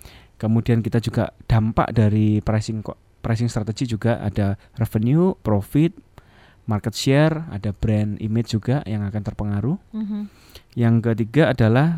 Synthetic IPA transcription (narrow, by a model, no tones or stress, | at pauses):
kəmudiankit̪ad͡ʒuɡa̰d̥a̤mpa̰ʔdaɾipɾasɪŋ | pɾajsɪŋst̪ɾat̪eɡid͡ʒuɡaʔa̰d̥a | rɛfənjupɾofɪt̪̚ | markət̪̚ʃɛra̰dab̥ɾɛnḭmet͡ʃ̚d͡ʒuɡajaŋakant̪ərpəŋaɾu | jaŋkət̪iɡaːdalah